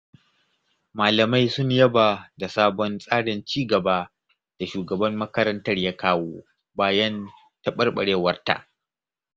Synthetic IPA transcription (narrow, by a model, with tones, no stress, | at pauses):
maː˨lɐ˨ma˦jsʊ˦ɲjɐ˦ba˨da˨saː˦bɔ˦nsʼaː˦ɽɪ˨nt͡ʃiː˦ɡɐ˨baː˦ | d̥a˨ʃuː˨ɡɐ˨bɐ˦mːɐ˦kɐ˦ɾɐ˦ntɐ˦rjaː˦kaː˦woː˦ | baː˦jɐ˦n | tɐ˦ɓɐ˦rɓɐ̰˨ɽeː˦wɐ˦rta̰˨ʔ